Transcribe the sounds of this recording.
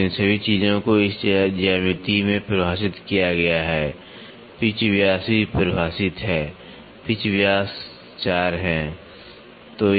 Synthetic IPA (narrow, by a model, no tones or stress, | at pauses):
ɪ̃nsɐbʱit͡ʃiːzõkoɪst͡ʃd͡ʒaːmɪt̪imẽpɾəbʱaːsɪt̪kijaɡɐjaɦɛː | pɪt͡ʃwjaːsipɾəbʱaːsɪt̪ɦɛː | pɪt͡ʃʋjaːs | t͡ʃaːɾɦɛ̃ː | t̪oː